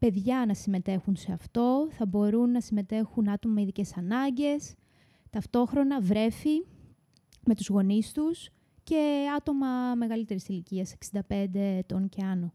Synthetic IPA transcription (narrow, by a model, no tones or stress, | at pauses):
pe̞ðʝɐnɐsime̞t̪e̞xunse̞ɐft̪o̞θɐbo̞ɾunːɐsime̞t̪e̞xunɐt̪o̞mɐɐiðice̞sɐnɐɲɟe̞s | t̪ɐft̪o̞xɾo̞nɐvɾe̞fi | me̞t̪uzɣo̞nist̪us | ce̞ɐt̪o̞mɐme̞ɣɐlit̪e̞ɾisiliciɐse̞ksind̪ɐpe̞nd̪e̞t̪o̞nceɐno̞